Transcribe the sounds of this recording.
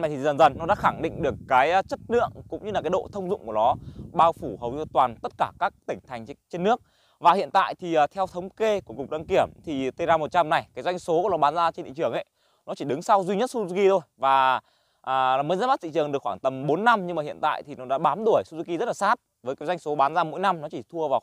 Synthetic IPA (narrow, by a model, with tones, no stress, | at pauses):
a˨˩jt̪ʰi˨˩zə˨˩nzə˨˩nːɔ˨˦ɗa̰ː˧˥xa˧˩ŋɗḭ˧˨ŋ̟ɗɨ˨˩əkːaː˨˦jt͡ɕə˦˥t̚nɨ̰˧˨əŋkʊ̰˧˥ŋ͡mɲɨ˧laː˨˩aː˨˦jɗo̰˧˨t̪ʰə˧wŋ͡mzʊ̰˧˨ŋ͡mku˧˩nɔ˨˦ɓaː˧wfu˧˩ɦə˨˩wt̪waː˨˩nt̪ə˦˥t̚kaː˧˩kaː˦˥k̚t̪ï˧˩ŋ̟t̪ʰa˨˩jŋ̟t͡ɕe˧nːɨ˦˥ək̚ | vaː˨˩hḭ˧˨ənt̪a̰ː˧˨jt̪ʰi˨˩ʔəː˨˩t̪ʰɛ˧wt̪ʰə˨˦wŋ͡mke˧ku˧˩əkʊ˨˩k͡p̚ɗa˧ŋki˧˩əmt̪ʰi˨˩t̪ə˧zaː˧mo˨˩t̚t͡ɕa˧mna˨˩jkaː˨˦jzwa˧jŋ̟so˨˦˧nɔ˨˦ɓaː˨˦nzaː˧t͡ɕe˧nɗḭ˧˨t͡ɕɨ˧˩əŋʔə̰˧˨j | nɔ˨˦t͡ɕi˧˩ɗɨ˨˦ŋsa˧wzwi˧ɲə˦˥t̚su˧u˧ki˧t̪ʰo˧jvaː˨˩ | ʔaː˨˩˨mə˨˦zə˦˥tma˦˥t̚t͡ɕḭ˧˨t͡ɕɨ˨əŋɗɨ˨˩əkxwaː˧˩ŋt̪ə˨˩mɓo˨˦nːa˧mɲɨ˧ŋmaː˨˩hḭ˧˨ənt̪a̰ː˧˨jt̪ʰi˨˩nɔ˨˦ɗa̰ː˧˥ɓaː˨˦mɗ̪u˧˩əjsu˧zi˧ki˧zə˦˥t̚laː˨˩saː˦˥t̚vəː˨˦kaː˨˦jzwjŋ̟so˨˦ɓaː˨˦nzaː˧mo̰˧˥˦jna˧mnɔ˨˦t͡ɕi˧˩t̪ʰu˧əvaː˨˩